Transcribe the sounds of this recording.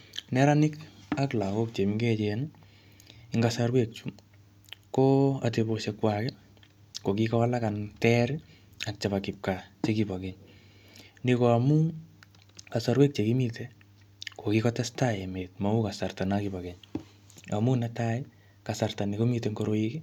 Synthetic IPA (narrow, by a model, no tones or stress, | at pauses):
nɛɾanɪkaklakok̚t͡ʃemiŋɡet͡ʃɛn | ɪŋɡasaɾwek̚t͡ʃum | koateboʃɛkwakɛ | kokikɔalakantɛɾɪ | ak̚t͡ʃabakɪp̚kat͡ʃekibɔkeɲ | nikoamu | kasaɾwɛk̚t͡ʃekimitɛ | kokikɔtɛstaemet̚maukasartanakibɔkɛɲ | a̰munɛtaɪ | kasartanikomitɛŋɡoɾoiki